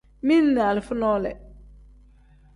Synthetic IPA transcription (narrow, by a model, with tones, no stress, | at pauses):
mi˦n˦nɛ˨a˨lfʊ˦nɔ˦lɛ̰˨